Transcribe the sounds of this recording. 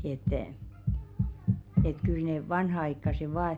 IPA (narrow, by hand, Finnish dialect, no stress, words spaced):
et et kyl neˑ ʋɑnhɑɑikːɑse ʋɑː